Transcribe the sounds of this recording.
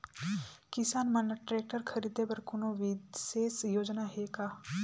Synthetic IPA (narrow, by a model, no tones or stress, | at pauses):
kɪsaːnmənʈɾeːk̚ʈəɾkʰəɾiːd̪ebəɾkʊnoːʋiseːsjoːd͡ʒnaɦeːkaː